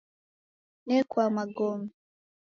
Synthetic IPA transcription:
nɛkwamaɡɔmɛe

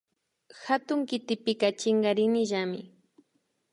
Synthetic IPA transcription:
xat̪ʊŋkɪt̪ɪpɪkat͡ʃɪŋɡaɾɪnɪʒamɪ

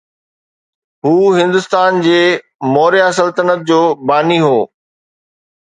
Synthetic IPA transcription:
ɦuːɦɪ̃nd̪ʊst̪aːnd͡ʑeː | mɔːɾijasəlt̪ənət̪̚d͡ʑoːbaːniɦoː

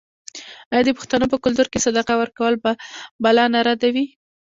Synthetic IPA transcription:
ɑjɑd̪əpʊ̥xt̪anop̬əkʊlt̪uɾkesad̪aqawəɾkawəlbabalɑnaɾad̪awi

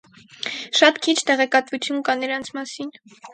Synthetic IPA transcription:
ʃɑt̪kʰit͡ʃʰt̪ɛʁɛkɑt̪vut͡sʰjunkɑnəɾɑnt͡sʰmɑsin

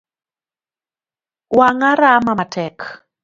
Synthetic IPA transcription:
waŋaɾamamatʰɛk

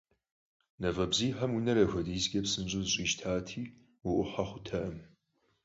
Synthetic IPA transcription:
nɐvɐbziːħɐmwinɐɾɐxʷɐdiːsɡʲʼɐpsɨnɕʼʊzɕʼiːʃtʰaːtʰiː | wʊʔʷʊħaχʷʊtʰɐʔɐm

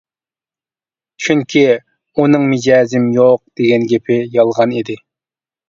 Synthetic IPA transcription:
t͡ʃʰyŋkʲʰi | unɨŋmɪd͡ʒɑːzɪmjoq̚d̪̥eɡʲɛnɡʲepʰɪjɑlˠʁɑnid̪ɪ

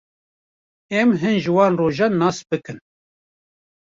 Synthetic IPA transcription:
ɛmɦɨnʒɨwɑːnroːʒɑnːɑːsbɨkɨn

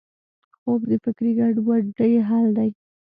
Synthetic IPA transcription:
xobd̪əfɪkɾiɡaɖwaɖəjeɦɑld̪aj

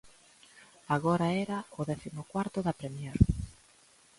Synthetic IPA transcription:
aɣɔɾaɛɾaʊðɛθimʊkwaɾt̪ʊðapɾemjeɾ

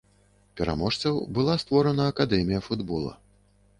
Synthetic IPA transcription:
pʲɛɾa̰mɔʂt̪sɐwbɨlˠast̪vɔɾɐnɐːkad̪ɛmʲijɐfud̪bɔlˠɐ̰

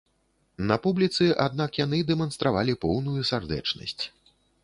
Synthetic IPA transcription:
nɐpublʲit̪sɨʔad̪̚nakjanɨd̪ɛmɐnst̪ɾavalʲipɔwnujusard̪ɛ̰t͡ʂnɐ̰sʲt͡sʲ

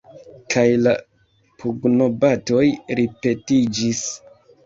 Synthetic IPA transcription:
kʰajla̰ | pʰuɡnobato̞jɾipe̞tid͡ʒis

